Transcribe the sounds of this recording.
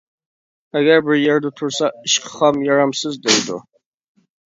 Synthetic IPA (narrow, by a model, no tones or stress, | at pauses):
aɡæɾbɪɾjɛɾd̪ut̪ʰʊɾsaɨʃqʰə̥χɑmjɑɾamsɨzd̪ejd̪ṵ